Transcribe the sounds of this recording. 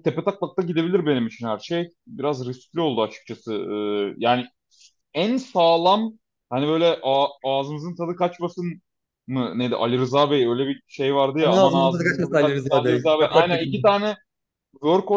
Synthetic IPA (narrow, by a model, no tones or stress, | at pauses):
t̪ʰe̞pet̪ʰaklˠak̚t̪aɟid̪e̞bilʲiɾbe̞nimit͡ʃʰinhæɾʃej | biɾazɾiscʲlʲio̞lˠd̪uat͡ʃʰɯ̥k̚t͡ʃʰasɯɯːjaːni | ænsaːlˠam | hanibø̞jlʲɛʔaaːzɯmɯzɯnt̪ʰad̪ɯkat͡ʃmasɯn | mɯned̪ḭʔa̰lʲiɾɯzaːbejø̞jlʲɛbiʃe̞jvaɾd̪ɯjaanaaːkaaaɾalizaːbejnænikit̪ʰaːnɛ | zo̞ɾko